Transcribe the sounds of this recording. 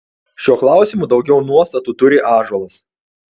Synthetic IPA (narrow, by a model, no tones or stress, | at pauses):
ʃʲuɔklˠɑˑʊsʲɪmuːˑd̪ɒʊɡʲɛʊnuɔst̪ɐt̪uːˑt̪ʊɾʲɪʔɑːʒuɔlˠɐs